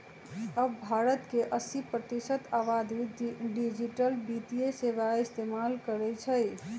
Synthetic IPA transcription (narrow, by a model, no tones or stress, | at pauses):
əbːʱaɾət̪keʔəsipɾət̪isət̪aʋad̪iɖid͡ʒiʈəlbit̪ijeseʋaist̪emalkəɾɛt͡ʃʰəj